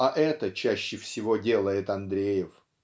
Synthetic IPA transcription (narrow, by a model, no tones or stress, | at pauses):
ɐʔɛt̪ət͡ɕæɕːɪfsʲɪvo̞dʲe̞lˠəjɪt̪ɐnd̪ɾʲejɪf